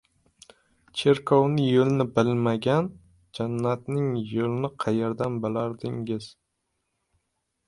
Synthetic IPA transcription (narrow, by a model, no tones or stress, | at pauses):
t͡ʃʰe̞ɾkʰɒwnɪjolnɪbɪlmaɡʲan | d͡ʒanːat̪nɪŋjolˠɪnɪqʰɑjeɾd̪anbɪlaɾd̪ɪŋɪz̥